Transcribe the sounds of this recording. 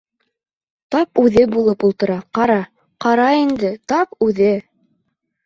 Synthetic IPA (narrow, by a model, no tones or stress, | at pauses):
t̪ɑpʉðɘbulˠɤpulˠt̪ɤ̆ɾɑqɑɾɑ | qɑɾɑind̪ɘt̪ɑpʉðɘ